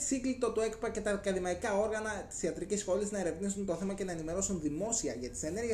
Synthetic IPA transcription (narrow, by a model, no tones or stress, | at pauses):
siŋɡlit̪o̞t̪ue̞kpɐce̞t̪ɐkɐðimɐikɐo̞ɾɣɐnɐt̪i̥siɐt̪ɾicisxo̞liznɐeɾe̞vnisunt̪oθe̞mɐce̞nɐe̞nime̞ɾo̞sunðimo̞siɐ̰ʝɐt̪i̥se̞ne̞ɾʝe